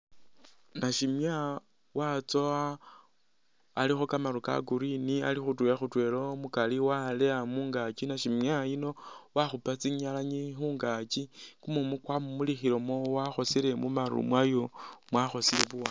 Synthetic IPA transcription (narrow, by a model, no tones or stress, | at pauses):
naʃimja | wat͡soa | lixokamaɾuka̰ɡuɾinia̰lixutwujaxutwe̞lomukaliwaleamuːŋɡat͡ʃinaʃimjaino̞waxupat͡siɲalaɲixuːŋɡat͡ʃikumumukwamumulixiɾo̞mowaxo̞sile̞mumaɾṵmwajomwaxo̞sileβuwa